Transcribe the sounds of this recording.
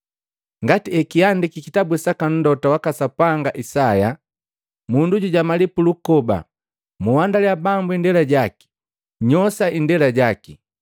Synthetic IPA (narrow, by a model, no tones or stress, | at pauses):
ŋɡatiɛkiandikikitabusakan̩dɔtawakasapaŋɡaʔisaja | munduɟuɟamalipulukɔba̰ | muwandalijabambuindɛlaɟaki̥ | ɲɔsaindɛlaɟaki